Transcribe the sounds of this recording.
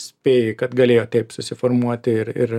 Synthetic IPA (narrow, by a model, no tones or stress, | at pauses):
spʲeːkɐt̪ɡɐlʲeːjoːt̪ʲɛɪpsʊsʲɪfɔɾmuɔt̪ʲɪɪɾɪ̰ɾ